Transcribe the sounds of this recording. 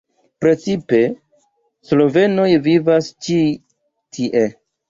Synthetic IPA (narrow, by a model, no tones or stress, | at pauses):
pɾe̞t͡sipe̞ | slo̞ve̞no̞jvivast͡ʃi | tʰiʔe